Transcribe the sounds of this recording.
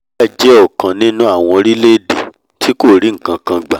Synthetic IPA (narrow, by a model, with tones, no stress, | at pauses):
a˦˨d͡ʒɛ˦ɔ˦˨kã˨nĩ˦nũ˦a˦˨w̃ɔ̃˧ɾi˦le˦˨de˨ | tʰi˨˦ko˦˨ɾi˨˦ŋ̩˦˨kã˧kã˧ɡ͡ba˨